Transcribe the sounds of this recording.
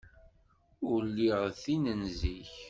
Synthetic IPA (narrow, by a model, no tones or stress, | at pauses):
ʊɾlːiʁθinənziç